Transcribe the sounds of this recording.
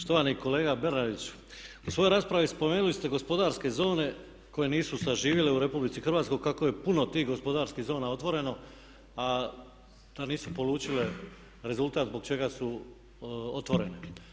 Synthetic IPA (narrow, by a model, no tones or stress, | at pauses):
po̥ʃt̪oʋaniko̞le̞ːɡabe̞ɾnad̪it͡ɕ | usʋo̞joɾaːspɾaʋispo̞me̞ːnulist̪e̞ɡo̞spo̞d̪aːɾske̞zo̞ːne̞ | ko̞je̞niːsusaʒiːʋjele̞uɾe̞publit̪sixrʋaːt̪ko̞jkako̞je̞puno̞t̪iːɦɡo̞spo̞d̪aɾskiɣzo̞ːnao̞t̪ʋo̞ɾe̞no̞ | a | d̪̥aniːsupo̞lˠuːt͡ɕile̞ | ɾe̞zult̪aːt̪zbo̞ɡ̚t͡ʃe̞ɡasu | ot̪ʋo̞ɾe̞ne̞